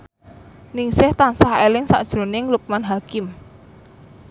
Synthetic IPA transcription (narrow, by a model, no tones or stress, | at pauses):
nɪŋsɪht̪ansahelɪŋsa̰ʔd̥ʒ̥ɾo̤nɪŋluk̚manɦakɪm